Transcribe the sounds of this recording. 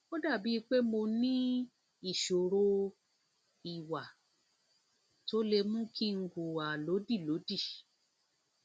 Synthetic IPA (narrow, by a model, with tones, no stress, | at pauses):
o˦da˦˨bi˨˦˧k͡pe˦mo˧nĩ˦ | i˦˨ʃo˨ɾo˧ | i˨wa˨ | to˦le˧mũ˦kʰi˦ŋ̩˨˦ɡu˨a˨lo˨˦di˦˨lo˨˦di˦˨